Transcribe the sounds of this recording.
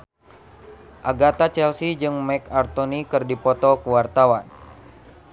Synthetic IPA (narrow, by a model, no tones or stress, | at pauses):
ʔaɡat̪at͡ʃɛlsid͡ʒɨŋmɛkart̪ɔnikɨrdipɔt̪ɔkuwart̪awan